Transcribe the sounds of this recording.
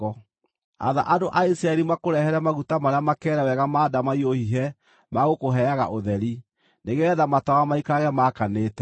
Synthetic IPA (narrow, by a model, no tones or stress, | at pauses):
ɔ | a̰ða̰ʔadoʔaisɾaɛɾimakoɾɛhɛɾɛmaɣutamaɾeamakɛːɾɛwɛɣamaːdamaiohiɦɛ | maɣokoɦɛaɣa̰ʔoðɛɾi | neɣɛɛðamatawamaikaɣɛmakaneːtɛ